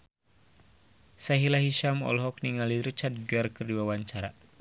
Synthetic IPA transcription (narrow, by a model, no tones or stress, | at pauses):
saɦilaɦiʃamɔ̰lɦɔk̚niŋaliɾut͡ʃat̪̚ɡarkɨrdiwawaɲt͡ʃaɾa̰